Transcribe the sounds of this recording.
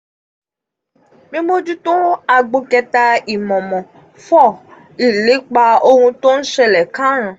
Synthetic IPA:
mĩ˦mo˦d͡ʒu˦t̪õ˦a˨ɡ͡bo˧kɛ˧t̪a˧i˨mɔ̃˨mɔ̃˨ | fɔ˦ | i˨le˨˦k͡pa˧o˦ŋũ˧t̪o˦n̩˦ʃɛ˦lɛ˨kã˦ɾ̃ã˨

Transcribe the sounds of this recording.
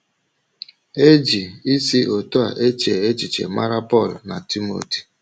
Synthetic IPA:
e˦d͡ʒi˨i˦si˦ʔo˨to˦a̰˨ʔe˦t͡ʃe˨e˦t͡ʃi˨t͡ʃḛ˨ma˦ɾa˦pɔ˦˨lna˨ti˦mo̰˦˨ti̥˨

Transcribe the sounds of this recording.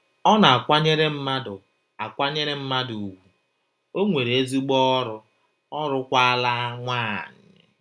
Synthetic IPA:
ɔ˦na˨a˨kʷa˦ɲe˦ɾe˦m̩˦ma˦dʊ˨ | a˨kʷa˦ɲe˦ɾe˦m̩˦ma˦du˨u˨ɡʷu˦ | o˦ŋʷe˨ɾe˦zi˦ɡ͡bɔ˦ɾʊ˦ | ɔ˦ɾʊ˦kʷa˦a˦la˦ŋʷaː˦˨ɲ | ɪ̰˨

